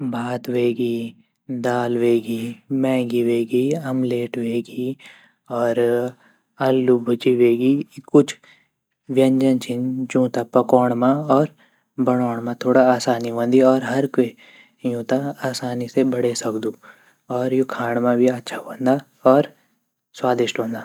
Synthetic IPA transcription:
bʱaːt̪ʋeːɡi | d̪aːlʋeːɡimɛ̃ːɡiʋeːɡiɐmleːʈʋeːɡi | ɔːɾ | ɐlːubʱʊd͡ʒiʋeːɡikʊt͡ʃʰ | ʋjɐ̃ɲd͡ʒə̃nt͡ʃʰɪnd͡ʒũːt̪apɐkɔːɳ̃mãɔːɾ | bɐɽ̃ɔːɽ̃mãt̪ʰoːɽaaːsaːniɦõːnd̪iɔːɾɦɐɾke | jũːt̪aaːsaːnisebɐɽesɐkd̪uː | ɔːɾjokʰaːɽ̃mãbʱiɐtːʃʰaɦõːnd̪a | ɔːɾ | swaːd̪ɪʃʈɦõːnd̪aː

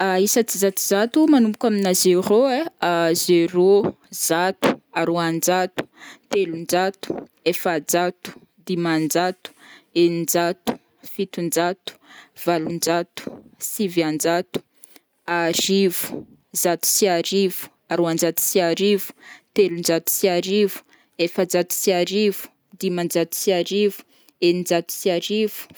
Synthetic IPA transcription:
aisət͡sizat̪uzat̪umanumbukʲaminazeroeazeɾo | z̥at̪u̥aɾoand͡ʒat̪u̥t̪elund͡ʒat̪u̥ | efad͡zat̪u̥ | d̪imand͡ʒat̪u̥enind͡ʒat̪u̥ | fit̪und͡ʒat̪u̥v̥alund͡ʒat̪u̥siviand͡ʒat̪u̥ | aɾiv̥u̥ | zat̪u̥siaɾivu̥ | aɾoand͡ʒat̪u̥siaɾivu̥t̪elund͡ʒat̪u̥siaɾivu̥ | efad͡zat̪u̥siaɾivu̥ | d̪imand͡zat̪u̥siaɾivu̥ | enind͡ʒat̪u̥siaɾivu̥

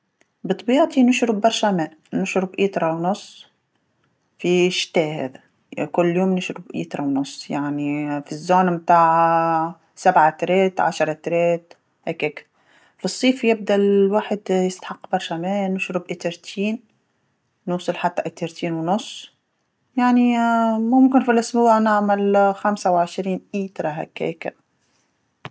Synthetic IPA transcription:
bɨt̪ˤbiːʕt̪ˤinʊʃɾʊbːɑɾˤʃamæːʔnʊʃɾʊbʔiːt̪ɾˤɑwnʊsˤː | fiʃt̪æːhæ̰ːðæ | kʊlːjoːmnɪʃɾʊbʔḭːt̪ɾˤɑwnʊsˤːjaʕnifizːoːnmt̪aːʕa | sabʕat̪ɾeːt̪ʕa̰ʃɾˤɑt̪ɾeːt̪̚ | heːkek | fisˤːiːfjɪb̚d̪alwaːħɪd̪jɪst̪ḁħɑqːbɑɾˤʃæmæːnɪʃɾʊbʔɪt̪ɪɾt̪ʰiːn | nuːsˤɑlħat̪ːaʔɪt̪eɾt̪ʰiːnwnʊsˤː | jaʕnimʊmkɪnfilʔʊsbuːʕnɪʕmalxamsawʕɪʃɾiːnʔiːt̪ɾˤɑɦæ̰ːkhḛːk

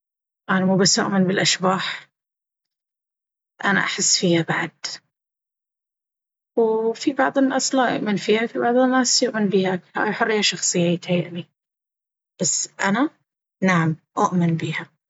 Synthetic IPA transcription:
ʔanamuːbasːjʊʔmɪnbɪlʔaʃbaːħ | ʔana̰ʔaħɪsːfiːhabaʕad̪̥ | wfibɑʕðˤɪnːaːslaːjʊ̰ʔmɪnfiːhafibɑʕðˤɪnːaːsjʊʔmɪnbiːhakha̰ːjħʊrːijːaʃɑxsˤɨjːat̪aʔli | b̥asːʔana | naʕamʔʊʔmɪnbiːha

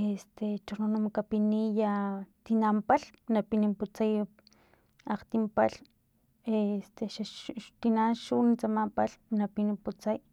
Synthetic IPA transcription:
est̪et͡ʃononamakapinijat̪inampaɬnapinimput͡saj | aqt̪impaɬ | est̪eʃat̪inanʃunit͡samampalnapinimput͡saj

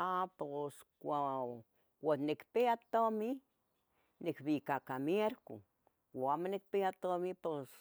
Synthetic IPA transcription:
aposkʷa | wonikpeat̪omi | nikbikakamjeɾkṵ | wamanik̚peat̪omipos

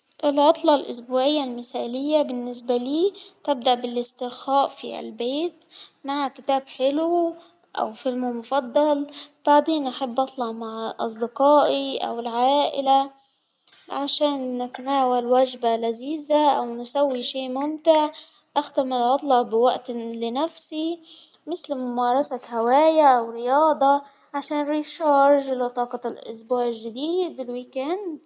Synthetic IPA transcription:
ʔɪlʕot̪ˤlɑlʔʊ̰sbuːʕɪjːalmɪθaːlɪjːabɪnːɪs̬baliːt̪ɪb̚d̪aʔbɪlɪst̪ɪɾxaːʔfḭlbeːt̪maʕkɪt̪aːbħɪlu | ʔa̰wfɪlmumʊfɑd̪ˤːɑlb̥aʕd̪eːnʔaħabːʔɑt̪ˤlɑʕmaʕʔɑ̰s̬ˤd̪ɪqɑːʔiʔa̰wɪlʕaaːʔɪ̰la | ʕaʃaːnːɪt̪naːwalwaʒbalaziːzaʔawnsawːiʃiːʔmʊmt̪ɪʕ | ʔaxt̪amɪlʕɑt̪ˤlɑʕbɪwaʔt̪lɪnafsi | mɪθlmʊmɑːɾˤɑsahawaːjaʔawɾɪjɑːd̪ˤɑ | ʕaʃaːnɾiːʃɑːɾʒɪlɑt̪ˤɑːqɑlʔʊ̰sbuːʕɪlʒːɪd̪iːd̪ɪlwiːkand̪

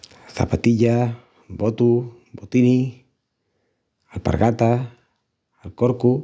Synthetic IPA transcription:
sa̰pat̪id͡ʒa | bot̪u | bot̪ini | alpa̰rɡat̪aː | lkɔrku

